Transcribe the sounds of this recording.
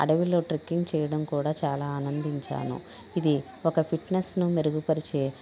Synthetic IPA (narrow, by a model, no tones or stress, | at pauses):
ɐ̰ɽɐʋilo̞ːʈɾikːiŋɡ̚t͡ʃɛːjɐɽɐmkuːɽaːt͡ʃaːlaːɐːnɐnd̪iɲt͡ʃa̰ːnṵ | id̪i | okɐpʰiʈnesnumeɾuɡupɐɾit͡ʃeː